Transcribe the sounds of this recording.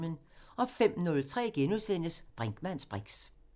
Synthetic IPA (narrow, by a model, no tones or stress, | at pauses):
mənɒ̽fem̰nɔ̽lt͡sʰʁɛ̰ːɡ̥enusen̰əsb̥ʁaŋɡ̥mæn̰sb̥ʁɛɡ̥s